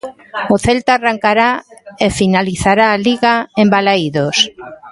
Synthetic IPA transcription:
oθelt̪aːraŋkaɾaefinaliθaɾaːliɣaembalaiðos

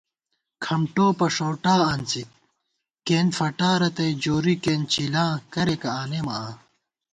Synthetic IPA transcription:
kʰɐmʈoːpɐʂoːʈaːɐnt͡sit̪̚ | kːeːnfɐʈaːɾɐt̪ɐjd͡ʑoːɾikeːnt͡ɕilãːkɐɾekɐaːnemɐaː

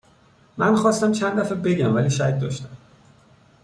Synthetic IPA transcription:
mænxɒːst̪æmt͡ʃʰænæfæbeɟæmvæliːʃæcd̪ɒːʃt̪æm

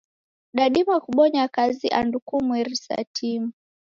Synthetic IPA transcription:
ɗaɗimakuɓɔɲakaziʔandukumwɛɾisa̰tʰimu

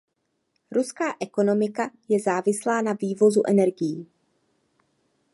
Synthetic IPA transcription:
ɾuskaːʔɛko̞no̞mɪkajɛzaːvɪslaːnaviːvo̞zuʔɛnɛɾɡɪjiː

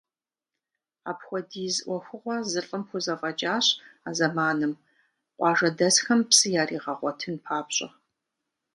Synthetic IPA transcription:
a̰ːpxʷɔdiːzʔʷɔxʷʊʁʷɐzɨɬʼɨmxʷʊzɐfʼɐd͡ʒʼaːɕaːzɐmaːnɨm | qʷʼɑːʒɐdɐsxɐmpsɨjaːriːʁɐʁʷɔtʰɨnpʰaːpɕʼɐ̰

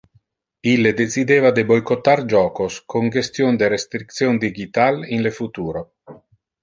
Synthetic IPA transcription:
ilːed̪esid̪eːvad̪ebojkot̪ːard͡ʒɔːkoskʰoŋd͡ʒest̪jond̪eɾest̪ɾik̚t̪sjond̪iɡit̪alinlefut̪uːɾo

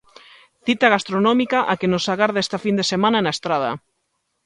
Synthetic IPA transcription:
θit̪aɣast̪ɾonɔmikaʔakenosaɣaɾðaest̪afind̪esemãnanaest̪ɾað̞ɐ̰

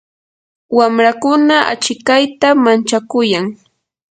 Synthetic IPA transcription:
wamɾakʊnaʔa̰t͡ʃɪkajt̪amant͡ʃakʊjaŋ

